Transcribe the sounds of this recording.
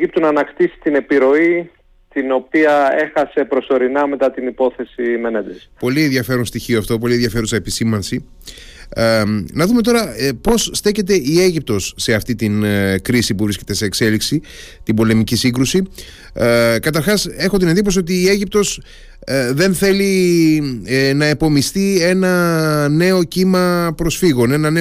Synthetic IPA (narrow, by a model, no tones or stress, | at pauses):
ip̚t̪unɐnɐkt̪isi̥t̪ine̞piɾo̞i | t̪ino̞piɐe̞xɐse̞pɾo̞so̞ɾinɐme̞t̪ɐt̪inipo̞θe̞sime̞ned̪espo̞lienðʝɐfe̞ɾonst̪içioɐft̪o̞p̬olienðʝɐfe̞ɾusɐepisimɐnsi | nɐðume̞t̪̬o̞ɾɐpo̞sst̪e̞çe̞t̪e̞ie̞ʝip̚t̪o̞sːe̞ɐft̪it̪inkɾisipuvɾisce̞t̪e̞se̞ːkse̞liksi | t̪ibo̞le̞micisiŋɡɾusi | kɐt̪ɐɾxɐse̞xo̞t̪̬ine̞nd̪ip̬osio̞t̪̬iːe̞ʝip̚t̪o̞s | ðe̞nθe̞li | nɐepo̞mist̪ie̞nɐne̞o̞cimɐpɾo̞sfiɣo̞ne̞nɐne